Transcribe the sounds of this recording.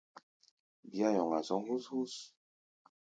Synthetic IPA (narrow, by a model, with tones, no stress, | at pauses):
bja˦jɔ˨ŋa˨sɔ˨˦hu˦shu˦s